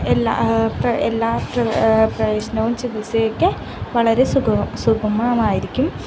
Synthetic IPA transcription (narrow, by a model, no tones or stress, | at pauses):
elːa̰ːprɐelːaːprɐprɐʋeːɕɐnɐʋumt͡ɕid̪isɐjokːɨ | ʋɐɭɐɾe̞suɐsuɡɐmɐːmaːjiɾikʲːum